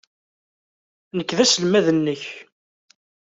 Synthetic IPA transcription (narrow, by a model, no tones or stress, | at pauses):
nəkːðæsəlmæðənːəç